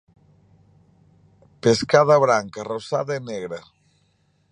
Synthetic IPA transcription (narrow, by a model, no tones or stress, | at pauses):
peskaðaβɾaŋkarosaðaeneɣɾa